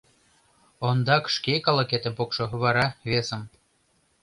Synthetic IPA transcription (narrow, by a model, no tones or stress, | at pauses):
ond̪ɑkʃkʲekɑlˠokʲet̪ə̆mpokʃɤ̆βɑɾɑβesə̆m